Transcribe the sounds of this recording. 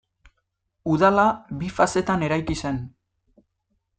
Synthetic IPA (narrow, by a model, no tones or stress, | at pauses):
uðalaβifase̞t̪ane̞ɾajkise̞n